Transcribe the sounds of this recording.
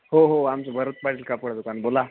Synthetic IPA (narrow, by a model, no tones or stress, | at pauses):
ɦoɦoamt͡ɕəbʱəɾət̪̚paɽilkapəɽd̪okanbola